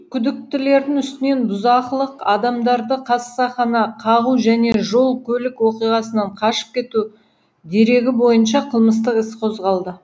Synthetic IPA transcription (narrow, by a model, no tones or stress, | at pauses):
kʲʰʏd̪ɪk̚t̪ɪle̞ɾd̪ɪŋʏst̪ɪne̞nbʊzɑqlˠəqɑd̪ɑmd̪ɑɾd̪əqʰɑssɑχɑnɑqʰɑʁuʒæne̞ʒo̞lˠkʲʰɵlɪkwo̞qijʁɑsənɑɴqʰɑʃə̥p̚kʲʰe̞t̪u | d̪e̞ɾe̞ɡʲɪbo̞jənʃɑqʰəlˠməs̬t̪əqɪsqʰo̞zʁɑlˠd̪ə